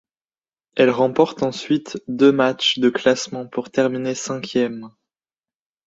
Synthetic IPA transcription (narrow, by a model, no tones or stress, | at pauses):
ɛlʁɑ̃pɔʁt̪ɑ̃sɥit̪d̪ømat͡ʃd̪əklasmɑ̃puʁt̪ɛʁminesɛ̃kʲjɛm